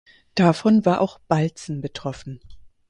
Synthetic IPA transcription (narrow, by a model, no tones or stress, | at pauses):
d̥afɔnvaːɐʔaʊxb̥alt͡sn̩bətʁ̥ɔfn̩